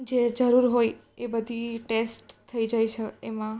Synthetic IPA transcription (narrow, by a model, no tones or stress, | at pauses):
d͡ʒed͡ʒəɾuɾɦoj | ebəd̪ʱiʈesʈt̪ʰːəid͡ʒaiʃʰəemã